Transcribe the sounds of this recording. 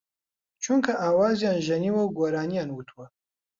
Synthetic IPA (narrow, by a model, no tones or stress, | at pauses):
t͡ʃʰuŋkʰɐʔaːwaːzijaːnʒɐniwɐwɡoːɾaːnijaːnwut̪ʰwɐ